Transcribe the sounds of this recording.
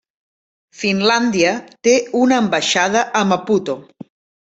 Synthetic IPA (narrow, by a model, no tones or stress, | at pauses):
finland̪iət̪eunəːmbəʃað̞əʔəməput̪o